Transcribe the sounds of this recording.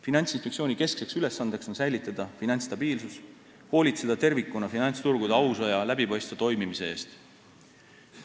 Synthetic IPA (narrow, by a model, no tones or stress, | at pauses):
finɑnʲt̪sinspek̚sio̞ːnʲike̞skse̞ksyle̞sːɑnd̪̥e̞kso̞nsæjlit̪ːˑɑd̪̥ɑfinɑnʲt̪st̪ɑb̥iːlsus | ho̞ːlit̪se̞d̪̥ɑt̪e̞rvikːˑunɑfinɑnʲt̪st̪urɡ̥ud̪eɑwsojɑlæbipɑjst̪vet̪o̞jmimise̞e̞ːst̪